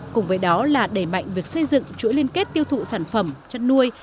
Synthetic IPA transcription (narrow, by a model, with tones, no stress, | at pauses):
kʊ˨˩ŋ͡mvəː˨˦jɗɔ˨˦laː˨˩ɗe˧˩ma̰˧˨jŋ̟vi˨˩ək̚sə˧jzɨ̰˧˨ŋt͡ɕuɨ̰˧˥əli˧ənke˦˥t̚t̪i˧əwt̪ʰṵ˧˨saː˧˩nfə˧˩mt͡ɕə˧nnu˧əj